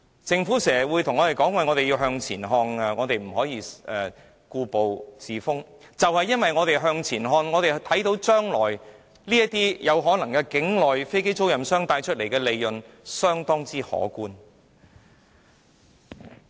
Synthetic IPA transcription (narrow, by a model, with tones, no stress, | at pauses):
t͡sɪ˧ŋfuː˨˥sɛː˨˩wuː˨˧jt̪ʰʊ˨˩ŋɔː˨˧te˨jkɔː˨˥ŋwɐ˨jŋɔː˨˧t̪e˨ji˧wɦœː˧ŋt͡sʰiː˨˩nɦɔː˧na˧ŋɔː˨˧t̪e˨jm̩˨˩ɦɔː˨˥jiː˧ʔɛː˨˩ | kuː˧po˨wt͡siː˨fʊ˥ŋ | t͡sɐ˨whɐ˨jːɐ˥nwɐ˨jŋɔː˨˧t̪e˨jɦœː˧ŋt͡sʰiː˨˩nɦɔː˧nŋɔː˨˧t̪e˨jt̪ʰɐ˨˥jt̪o˨˥wt͡ʃœː˥ŋlɔː˨˩j | liː˥ɐ˥t̚t̪iː˥jɐ˨˧wɦɔː˨˥nɐ˨˩ŋkɛː˧kɪ˨˥ŋlɔː˨jfe˥jke˥jt͡so˥wjɐ˨msœː˥ŋt̪aː˧jt͡ʃʰɵ˥t̚le˨˩jkɛː˧le˨˧jːɵ˨nsœː˥ŋt̪ɔː˥ŋt͡siː˥hɔ̰ː˨˥kuː˥n